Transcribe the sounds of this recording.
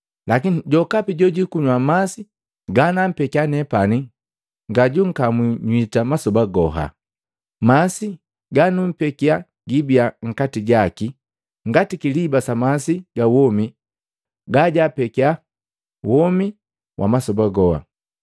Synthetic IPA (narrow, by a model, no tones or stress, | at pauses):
lakiniɟɔkapiɟɔɟikuɲwamasi | ɡanam̩pɛkianɛpani | ŋɡaɟuŋ̩kamwiɲwitamasɔbaɡɔɦa̰ | masi | ɡanum̩pɛkia | ɡibiaŋ̩katiɟaki | ŋɡatikilibasamasiɡawɔmi | ɡaɟapɛkia | wɔmi | wʔa̰masɔbaɡɔha̰